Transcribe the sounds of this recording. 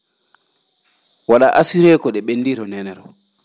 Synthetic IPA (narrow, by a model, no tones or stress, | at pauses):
waɗaʔasiɾɛːkɔɗɛɓendiɾɔnɛnɛɾɔ